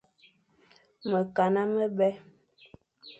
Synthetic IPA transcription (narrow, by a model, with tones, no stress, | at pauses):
mə˨ka˨na˦mə˦bɛ˦